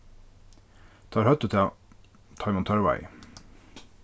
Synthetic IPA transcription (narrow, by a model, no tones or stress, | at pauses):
t̪ʰɑːɾhœt̪ət̪ʰeː | t̪ʰɑɪmɔnt̪ʰœɹʋɛ̰ɪ